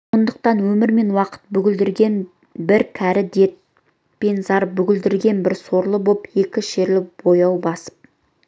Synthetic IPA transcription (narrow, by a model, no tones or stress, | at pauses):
so̞nd̪əq̚t̪ɑnwɵmɪɾme̞nwɑqə̥t̪̚bʏɡʲɪld̪ɪɾɡʲe̞n | bɪɾkʲʰæɾɪd̪e̞t̪̚ | pe̞nzɑɾbʏɡʲɪld̪ɪɾɡʲe̞nbɪɾso̞ɾlˠəbope̞kʲɪʃe̞ɾlɪbo̞jɑwbɑsə̥p̚